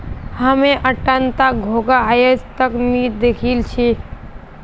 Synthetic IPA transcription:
həmeʔəʈːənt̪aɡʱoɡaɦajəst̪əknid̪ekʰilt͡ʃʰi

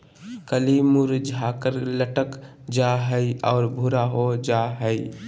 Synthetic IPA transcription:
kəlimuɾd͡ʒʱaːkəɾləʈək | d͡ʒaɦəiɔːɾbʱuɾaɦod͡ʒaɦəi

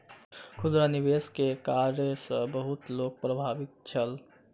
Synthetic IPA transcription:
kʰud̪ɾanibeskekaɾjəsə̃bəɦut̪lok̚pɾəbʱabik̪̚t͡ʃʰəl

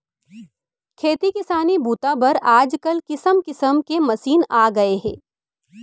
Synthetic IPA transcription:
kʰeːt̪ikɪsaːnibʱuːt̪abɐɾaːd͡ʒkɐlkɪsəmkɪsəmkemɐsiːnaːɡɐeɦɛ̰̃ː

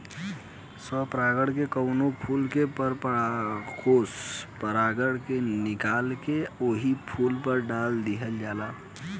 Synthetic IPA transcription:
sɔpɾaɡəɽkekəʊnopʰulkepəɾp | kospəɾaɡəɽkenɪkalkeoːɦipʰulpəɾɖald̪iɦəld͡ʒaːla

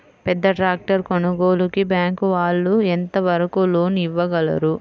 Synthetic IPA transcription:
pɛd̪ːɐʈɾaːk̚ʈɐɾkonɐɡoːlukibjaːŋkuʋaːɭːuent̪ɐʋɐɾɐkulo̞ːniʋːɐɡɐlɐ̰ɾu

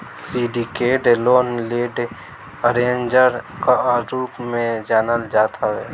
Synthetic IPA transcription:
siːɖikeːɖloːnleːɖ | əɾẽːnd͡ʒəɾkaɾuːpmẽd͡ʒaːnəld͡ʒaːt̪ʰaɦɛː

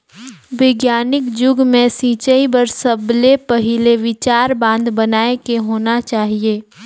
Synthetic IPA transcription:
ʋɪɡjaːnɪkd͡ʒʊɡmẽsĩːt͡ʃəibəɾsəblepɐɦɪleʋɪt͡ʃaːɾbãːnd̪bənaːekeɦoːnat͡ʃaːɦieː

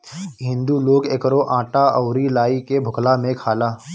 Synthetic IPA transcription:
ɦɪ̃nd̪uloːɡeːkɾoʔãːʈaəwɾilaːikebʱʊklamẽkʰaːlaː

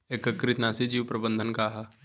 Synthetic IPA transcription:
eːkəkːɾɪt̪naːsid͡ʒiːwpɾəbə̃nd̪ʱənkaɦa

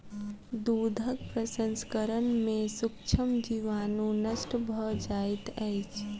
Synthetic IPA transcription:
d̪uːd̪ʱək̚pɾəsə̃nskəɾənmẽsʊkt͡ʃʰəmd͡ʒiʋaːnũnəʃʈəbʱəd͡ʒaːit̪ɛjt͡ʃʰ

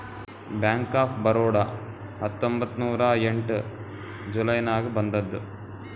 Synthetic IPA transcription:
bjaːŋkaːpʰbɐɾoːɽɐ | ɦɐt̪ːombɐt̪ːnuːɾɐeɳʈ | d͡ʒulɐjnaːɡibɐnd̪ɐd̪ːu

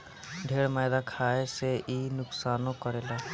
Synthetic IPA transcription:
ɖʱeːɽmaːjd̪akʰaeseʔinʊksaːnõkɔɾela

